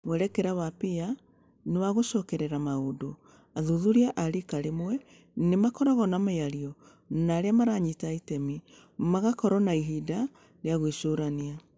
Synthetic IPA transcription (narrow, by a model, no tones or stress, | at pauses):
mwɛɾɛkɛɾaβapia | newaɣoʃɔkɛɾɛɾamaodo | aðuðuɾiaʔaɾikaɾemwɛ | nemakɔɾɔɣɔnamajaɾiɔ | naɾeamaɾaɲitaitɛmi | maɣakɔɾɔnaiɦida | ɾeaɣwiʃoɾania